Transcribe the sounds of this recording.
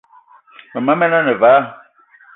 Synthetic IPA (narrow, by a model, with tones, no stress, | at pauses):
mɛ˨ma˦mɛ˦na˦nɛ˨va˨˦